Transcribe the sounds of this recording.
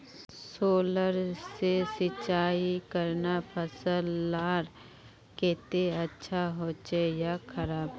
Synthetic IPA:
soːləɾsesɪt͡ʃaːikəɾnapʰəsəlːaːɾ | keːt̪eɐtːʃʰaɦoːt͡ʃejakʰəɾaːb

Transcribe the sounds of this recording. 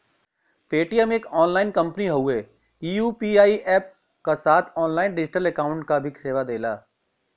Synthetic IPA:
peːʈijəmeːkɔːnlaːɪnkɐ̃mpəniɦɐueː | iːjuːpiːaːiʔɛːp̚ | kasaːt̪ʰɔːnlaːɪnɖɪd͡ʒɪʈəlɛkaːʊ̃ɳʈkabʱiseːʋad̪eːlaː

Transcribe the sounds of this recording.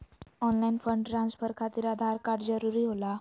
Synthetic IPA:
ɔnlainfəɳɖɾãnspəɾkʰat̪iːɾad̪ʱaɾkaɽd͡zəɾuɾiːɦola

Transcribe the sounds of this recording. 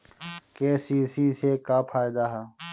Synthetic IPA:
keːsiːsiːsekaːpʰaːjd̪aɦa

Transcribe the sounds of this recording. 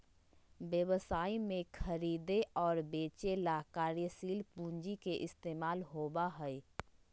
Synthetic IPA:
bjəwəsaːimẽkʰəɾiːd̪eʔɔːɾbeːt͡ʃelakaːɾjəsiːlpũːɲd͡ʒikeʔɪst̪eːmaːlɦoːbaɦɛi

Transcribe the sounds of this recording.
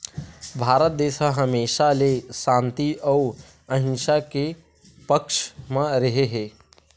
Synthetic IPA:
bʱaːɾət̪̚d̪eːʃəɦəmeːʃalesãːnt̪iʔəu | ə̃ɦɪ̃nʃake | pəkʃmẽɾəɦeɦeː

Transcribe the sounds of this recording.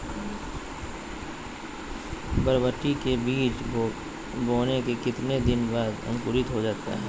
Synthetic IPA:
bəɾʋəʈːikebiːt͡ʃ | boːnekekɪt̪ned̪ɪnbaːd̪ə̰̃ŋkʊɾɪt̪ɦod͡ʒaːt̪a̰ɦɛ̰ː

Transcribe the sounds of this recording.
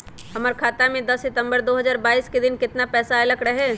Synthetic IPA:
hɐməɾkʰaːt̪amẽd̪ɐsːɪt̪ə̃mbəɾd̪oːɦɐzaːɾbaːiːsked̪ɪnkɪt̪napɛːsaɪləkɾɐɦɛː

